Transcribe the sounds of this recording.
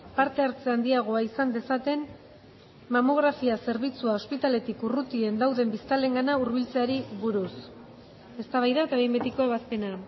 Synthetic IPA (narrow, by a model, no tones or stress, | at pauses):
paɾt̪e̞aɾt͡seand̪iaɣ̞o̞aisand̪e̞sat̪e̞n | mamo̞ɣ̞ɾafiase̞ɾβ̞it͡suao̞spit̪ale̞t̪ikurut̪ie̞nd̪awðe̞mbist̪ale̞ŋɡanauɾβilt͡seaɾiβuɾus | e̞st̪aβajðat̪aβejmbet̪ikoeβast̪e̞na